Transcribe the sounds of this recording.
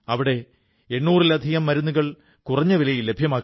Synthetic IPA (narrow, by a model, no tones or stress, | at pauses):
ɐʋiɽe̞ | enːuːrilɐd̪ʱiɣɐmːɐɾunːuɣɐɭ | kurɐɲːɐʋilɐjilːebʱjɐmaːkː